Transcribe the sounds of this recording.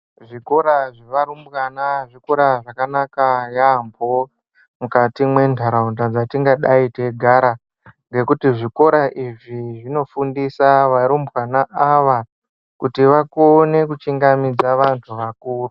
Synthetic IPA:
ʐiko̞ɾaʐeʋaɾumbwanaʐiko̞ɾaʐakanakajambʱo | mukatimwe̞ndʱaɾaundad͡zatiŋɡaɗaite̞ɡʱaɾa | ŋɡe̞kutiʐiko̞ɾaʔiʐiʐino̞fundisaʋaɾumbwanaʔaʋa | kutiʋakone̞kut͡ʃiŋɡamid͡zaʋantʰuʋakuːru

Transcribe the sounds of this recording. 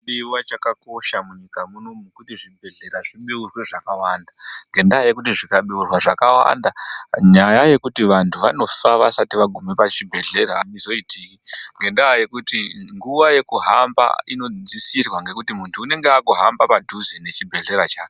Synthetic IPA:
ɗiwat͡ʃakako̞ʃamuɲikamunomukutiʐibʱe̞ɮe̞ɾaʐiɓeurweʐakawaːndaŋɡe̞ndaaje̞kut̬iʐikaɓiurwaʐakawa̰ndaɲajaje̞kutiʋantʰuʋa̰no̞faʋasatiʋaɡʱumepat͡ʃibʱe̞ɮe̞ɾa̰nizo̞itiːkiŋɡe̞ndaːje̞kutiŋɡuʋaje̞kuɦamba̰ino̞d͡zisirwaŋɡe̞kutimuntʰuːne̞ŋɡeakuɦambapadʱuzine̞t͡ʃibʱe̞ɮe̞ɾat͡ʃaːke

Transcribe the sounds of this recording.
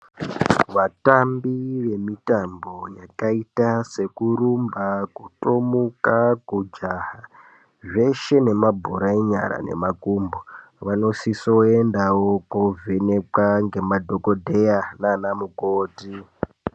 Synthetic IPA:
ʋatambiʋe̞mitambo̞jakaitase̞kuɾumbakutomukakud͡ʒaha | ʐe̞ʃe̞ne̞mabʱuɾaiɲa̰ɾa̰ne̞̰makumbo | ʋano̞sisoendawokovʱene̞kaŋɡe̞madʱokodʱe̞jananamukoːti

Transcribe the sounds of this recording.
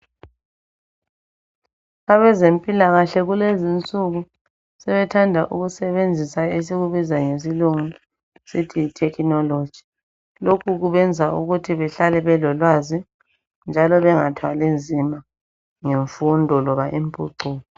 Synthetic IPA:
aβɛzempʼilaɣaɬɛɣulezint͡sʼuɣu | sɛβɛtʰandʱaʔṵɣusɛβend͡zʱisaes̬iɣuβizaŋes̬iluŋu | sitʰiitʰɛkʰnɔlo̥d͡ʒ̥ʱi̥ | lokʰuɣuβɛnd͡zʱaʔuɣutʰiβɛɬalɛβɛlɔlwazi | nd͡ʒʱalɔβɛŋatʰwalend͡zʱima | ŋeɱfundʱɔlɔβaʔimpʼuǃuːlɔ

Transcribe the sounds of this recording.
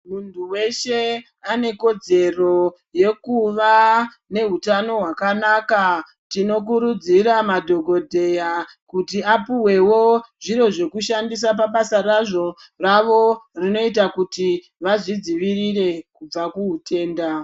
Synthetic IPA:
muntʰuwe̞ʃe̞ | ane̞ko̞d͡ze̞ro̞ | je̞kuʋa | ne̞ɦutano̞ɦwakanaːka | tino̞k̬uɾud͡ziɾamadʱo̞ɡʱo̞dʱe̞ja | kutiapuwe̞wo̞ʐiɾo̞ʐe̞kuʃandis̬ap̬aɓasaraʐo̞ | raʋo̞rino̞itakuti | ʋaʐid͡ziʋirire̞kub͡vakuɦute̞ːnda

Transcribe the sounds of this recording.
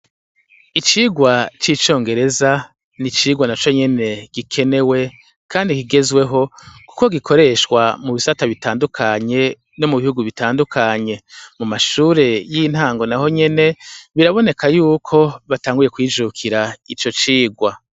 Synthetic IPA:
it͡ʃiːɡwat͡ʃit͡ʃo̞ːŋɡe̞ɾe̞za | nit͡ʃiːɡwanat͡ʃo̞ɲe̞ne̞ɡ̥ikʰe̞ne̞we̞ | kaːndikiɡe̞zwe̞ɦo̞ku̥ko̞ɡikʰo̞ɾe̞ʃkwamuβisataβitaːndukʰaɲe̞ | no̞muβihuɡuβitaːndukʰaɲe̞mumaʃuːɾe̞jin̥haːŋɡo̞naɦo̞ɲe̞ne̞βiɾaβo̞ne̞kʰajuːkʰo̞βataːŋɡuje̞kwiːd͡ʒukʰiɾait͡ʃo̞t͡ʃiːɡwa

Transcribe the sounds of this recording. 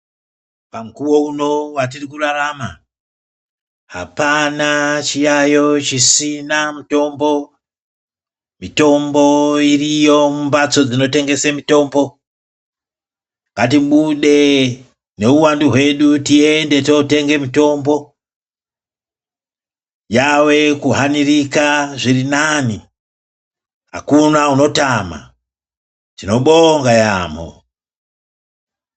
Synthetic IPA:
pamkuwo̞uno̞wat̬irikurarama | ha̰panat͡ʃijajo̞t͡ʃisinamuto̞mbo̞ | mito̞mbo̞irijo̞mumbat͡so̞d͡zino̞te̞ŋɡe̞semito̞ːmbo̞ | ŋɡatiɓuɗe̞ | ne̞uwanduɦwe̞ɗutiende̞tote̞ŋɡe̞mito̞mbo̞ | jawe̞kuɦanirikaʐirinani | ɦa̰kunauno̞tama̰ | tino̞ɓoŋɡaja̰mo̰

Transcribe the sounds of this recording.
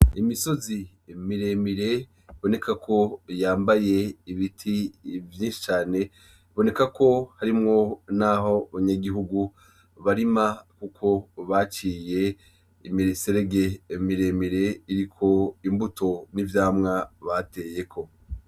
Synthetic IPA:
imiso̞zi | miɾe̞miɾe̞ | iβo̞ne̞kʰakʰo̞jaːmbaje̞iβitʰivjiːnʃi̥t͡ʃaːne̞ | βo̞ne̞kakʰo̞haɾimŋo̞naɦo̞βaɲaɡiɦuɡu | βaɾimakukʰo̞βat͡ʃiːje̞ | imiɾeseɾe̞ɡe̞miɾe̞ːmiɾe̞iɾikʰo̞imbutʰo̞nivjaːmŋaβate̞ːje̞kʰo̞

